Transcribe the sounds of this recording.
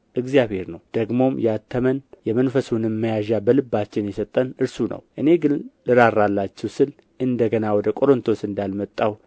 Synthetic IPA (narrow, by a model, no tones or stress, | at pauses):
ʔɨɡzijaβhe̞ɾnəwd̪̥əɡmo̞mjat̪ʰːəmənjɛmənfəsunɨmːəjaʒabəlɨbːat͡ʃːɪnjɛsət̪ʼːənɨɾsunə̰wʔɨne̞ɡɨllɨɾaɾːalːat͡ʃːɛwsɨl | ʔɨnd̪əɡənawɔd̪əkʼo̞ɾont̪ʰo̞sɨnd̪almət̪ʼːaw